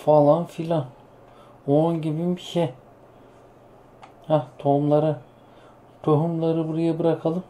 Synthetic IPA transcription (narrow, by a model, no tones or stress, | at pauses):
falˠanfilʲan | onɟibimbiʃɛ | hat̪ʰomlˠaɾa | t̪ʰoɦumlˠaɾɯbuɾajabɯɾakʰalˠɯm